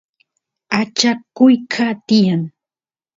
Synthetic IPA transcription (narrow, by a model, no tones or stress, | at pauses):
at͡ʃakʊjkʰat̪ɪjaŋ